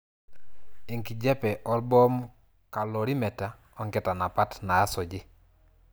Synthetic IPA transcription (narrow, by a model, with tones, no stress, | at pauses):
i˨ŋki˨d͡ʒɛ˦pɛ˨ʔɔ˦lbɔ˦m | ka˨lɔ˨ɾi˦mɛ˨ta˨ | ɔŋkɛ˨ta˨na˨pa˦tnaː˨˦sɔ˨d͡ʒɪ˦